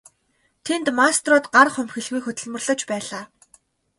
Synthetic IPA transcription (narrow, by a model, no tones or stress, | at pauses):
t̪ʰent̪mast̪rʊːt̪ɢarχʊmxɘ̆ɮɣujxɵt̪ɘ̆ɮmɵ̆rɮə̆t͡ɕpæːɮaː